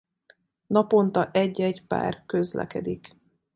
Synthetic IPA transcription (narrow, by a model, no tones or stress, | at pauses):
nɒpo̞nt̪ɒʔɛɟːɛɟpa̰ːrkøzlɛ̰kɛ̰d̪ik